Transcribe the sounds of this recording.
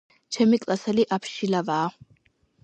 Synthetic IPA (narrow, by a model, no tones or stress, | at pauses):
t͡ʃʰɛmikʼlasɛliʔapʰʃilavaː